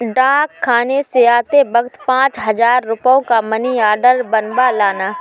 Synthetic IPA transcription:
ɖãːkʰːaːneseaːt̪ebɐɡt̪pãːt͡ʃɦɐzaːɾːʊpjõkamɐniaːɾɖəɾbɐnbalaːnaː

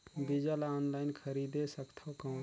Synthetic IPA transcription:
bid͡ʒəlaɔːnlaːɪnkʰəɾid̪esəkt̪ʰawkãʊ̃

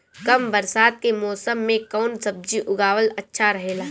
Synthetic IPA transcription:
kɐmbəɾsaːd̪̚kemɔːsəmːẽkɔːnsɐb̚d͡ʒiʔʊɡaːʋəlɐtːʃʰaɾɐɦeːlaː

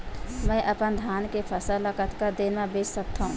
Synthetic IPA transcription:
mɛ̃ːʔəpənd̪ʱaːnkepʰəsələkət̪ʰkəɾd̪eːnmẽbeːt͡ʃsək̚t̪aɦũː

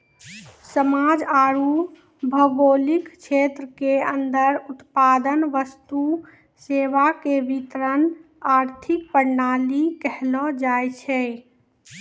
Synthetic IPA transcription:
səmad͡ʒaɾu | bʱəɡolikt͡ʃʰet̪ɾəkeənd̪əɾut̪pad̪ənʋəst̪u | seʋakebit̪ɾən | aɾt̪ʰik̚pəɾnalikɛɦlɔd͡ʒajt͡ʃʰɛ

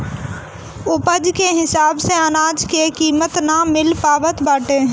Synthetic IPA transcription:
ʊpəd͡ʒkʰeːɦɪsaːbsẽɐnaːd͡ʒkʰeːkiːmət̪naːmɪlpaːʋət̪baːʈeː

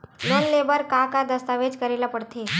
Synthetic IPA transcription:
lonlebəɾkakad̪əst̪aʋed͡ʒkəɾelapəɽt̪ʰe

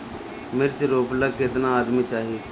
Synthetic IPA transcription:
mɪɾt͡ʃɾoːplaɡkɪt̪naːd̪mit͡ʃaːɦie

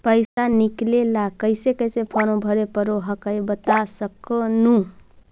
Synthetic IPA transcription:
pəjsaniklelakəɪsekəjsepʰɔnobʱəɾepəɾoɦəkəjbət̪asəkənũ

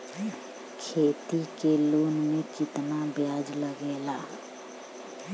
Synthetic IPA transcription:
kʰeːt̪ikeloːnmẽt͡ʃɪt̪nabjaːd͡ʒləɡeːlaː

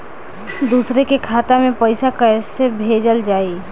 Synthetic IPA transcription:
d̪uːsɾekekʰaːt̪amẽpəɪsakəɪsebʱeːd͡ʒəld͡ʒaːi

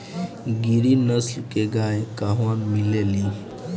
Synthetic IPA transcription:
ɡiɾinəslkeɡajkaɦʋanmileli

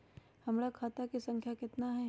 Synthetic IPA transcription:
hɐmɾakʰaːt̪akisɐ̃ŋkʰjakɪt̪naɦɛ

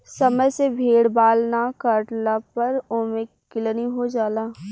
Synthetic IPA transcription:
sɐməjsebʱeːɽbaːlnakəɾʈlapɐɾoːme | kɪləniɦod͡ʒaːlaː

